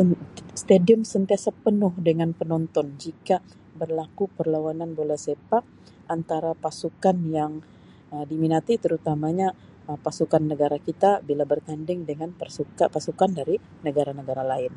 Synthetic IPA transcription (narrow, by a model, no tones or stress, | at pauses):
st̪adiəmsənt̪iasəpənʊhdəŋanpənɔnt̪ɔnd͡ʒika | bərlakupərlawananbolasepak̚ | ʔant̪aɾapasukanjaŋ | ədiminat̪it̪əɾut̪amaɲa | pasukanːəɡaɾakit̪abilabərt̪andɪŋdəŋanpəsukapasukandaɾi | nəɡaɾanəɡaɾalaɪn